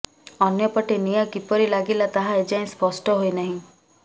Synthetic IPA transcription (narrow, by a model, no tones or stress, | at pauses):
ɔnjɔpɔʈenijɔkipɔɾilaɡilat̪aɦaed͡ʒaĩspɔsʈɔɦojnaɦĩ